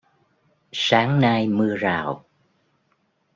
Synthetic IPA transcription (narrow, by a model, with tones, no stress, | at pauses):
saː˨˦ŋna˧jmɨ˧əzaː˨˩w